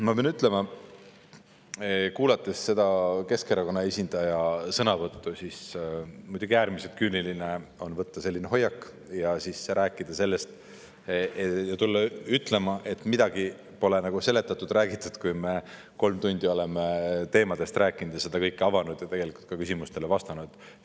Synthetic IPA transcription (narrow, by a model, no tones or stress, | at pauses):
mɑpeɑnyt̪ˑle̞mɑ | kuːlɑt̪ːˑe̞sse̞d̪ɑke̞skeɾɑko̞nːɑesʲind̪̥ɑjɑsɤnɑvɤt̪ːusismujd̪̥uɡ̥iæːɾmiselt̪kyniline̞o̞nvɤt̪ːɑse̞lːineɦo̞jːɑkː | jɑsisɾʔæːkːˑid̪̥ɑse̞lːe̞st̪ | jɑt̪ulːɑyt̪ːˑle̞mɑʔe̞t̪ːˑmid̪̥ɑɡi | po̞le̞nɑɡ̥use̞le̞t̪ːˑɑt̪ːˑud̪̥ræːɡ̥it̪ːˑud̪̥kujme̞ | ko̞lmt̪unʲd̪io̞le̞met̪e̞ːmɑd̪̥e̞st̪ɾæːkːˑinud̪̥jɑse̞d̪̥ɑkɤjkːˑeɑvɑnud̪̥jɑt̪e̞ɡ̥e̞liku̥lt̪kɑkysʲimust̪e̞levɑst̪ɑnud̪̥